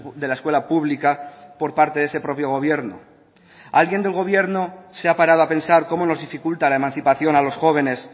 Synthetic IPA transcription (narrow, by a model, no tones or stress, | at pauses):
d̪e̞laeskwe̞lapuβlikapo̞ɾpaɾt̪eðese̞pɾo̞pjo̞ɣ̞o̞β̞je̞ɾno̰ | alɣje̞nd̪elɣ̞o̞β̞je̞ɾnoseapaɾað̞oapẽ̞nsaɾko̞mono̞zðifikult̪alaemãnθipaθjo̞nalosxo̞β̞e̞ne̞s